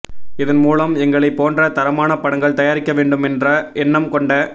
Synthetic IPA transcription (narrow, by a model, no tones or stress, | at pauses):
ɪðɐnmuːlɐmɛŋɡɐɭɐɪpːoːndrɐt̪ɐɾɐmaːnɐpɐɽɐŋɡɐɭt̪ɐjaːɾɪkːɐʋeːɳɖɯmɛndrɐʔɛnːɐmkɔɳɖɐ